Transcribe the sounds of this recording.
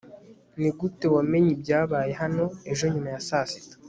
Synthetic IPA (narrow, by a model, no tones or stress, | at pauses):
niɡute̞wame̞ɲibɟaːβaːje̞ɦano̞e̞ʒo̞ɲumajasasi̥to̥